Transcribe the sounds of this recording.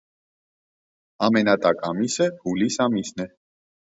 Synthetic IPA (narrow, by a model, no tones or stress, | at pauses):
ɑmɛnɑt̪ʼɑkʼɑmisəhulisɑmisnɛ